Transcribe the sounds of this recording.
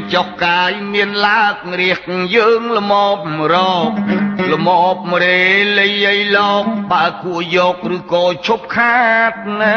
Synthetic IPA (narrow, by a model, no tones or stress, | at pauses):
t͡ɕohkaːjmiənlaək̚ŋriəhkŋjəːŋləmɔːp̚məɾɔːk̚ləmɔːp̚mɾeːləjəjlɔːk̚ɓaəkuəʔjɔːk̚rɨːkɔːt͡ɕʰup̚kʰaːt̪̚na